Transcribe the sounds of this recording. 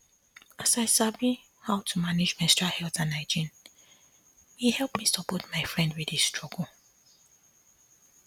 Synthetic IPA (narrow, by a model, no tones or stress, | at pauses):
asaɪsavi | hawtʰumanɪd͡ʒmɛ̃stɹahɛlˠtãnaɪd͡ʒĩn | wihɛlˠpmisuput̚maɪfɹɛ̃ndwidistʰɹɔɡəl̩